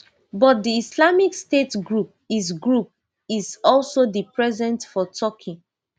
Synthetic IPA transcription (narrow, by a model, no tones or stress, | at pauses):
bɔt̚diislamikstetɡɹup̚is̬ɡɹup̚ | izɔlsodipɹɛzɛ̃ntfɔtʰɔkʰĩ